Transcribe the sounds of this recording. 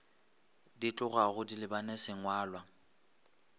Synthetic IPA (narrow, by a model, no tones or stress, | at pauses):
dit͡ɬʼʊɣaɣʊdilɪbanesɪŋwaːlwa